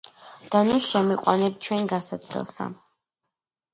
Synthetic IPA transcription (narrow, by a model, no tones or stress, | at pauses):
d̪̥anusʃɛmiqʼwa̰nɛbt͡ʃʰwɛnɡasat̪lɛ̰lˠsa̰